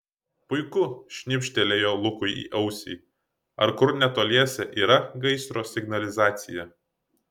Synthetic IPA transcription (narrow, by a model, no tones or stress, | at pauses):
pʊɪkʊʃʲnʲɪpʲʃʲt̪ʲɛlʲeːjoːlˠʊkʊɪḭːʔɐʊsʲḭː | ɐ̰ɾkʊɾnʲɛt̪oːlʲiɛsʲɛʔiːɾɐɡɐɪsɾoːsʲɪɡnɐlʲɪzɑːt̪sʲɪjɛ